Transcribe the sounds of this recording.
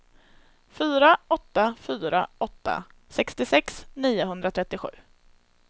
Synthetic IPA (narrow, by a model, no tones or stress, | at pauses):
fyːɾaɔt̪ːafyːɾa̰ɔt̪ːa̰ | sɛkst̪ɪsɛksniːʊɦɵnd̪ɾat̪ʰɾɛt̪ːɪɧʉ̟ː